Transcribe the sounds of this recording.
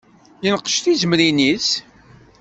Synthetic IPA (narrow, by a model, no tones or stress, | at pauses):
jənqə̥ʃt̪izəmɾinis